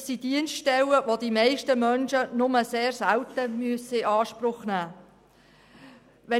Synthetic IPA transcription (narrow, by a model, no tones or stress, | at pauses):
sid̥iənstʃtɛwəʋodimɛɪʃtəmœnʃənʊməseːrsælt̪əmyəsəɪɑːʃpɾʊχnæː | ʋɛ